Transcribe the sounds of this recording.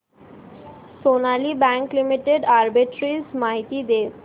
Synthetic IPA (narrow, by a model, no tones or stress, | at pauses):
sonalibɛŋklimiʈeɖaɾbiʈɾismaɦit̪id̪e